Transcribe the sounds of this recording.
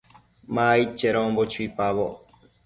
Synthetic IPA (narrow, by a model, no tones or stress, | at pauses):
maːit͡ʃːeɾõːmbot͡ʃuipaβo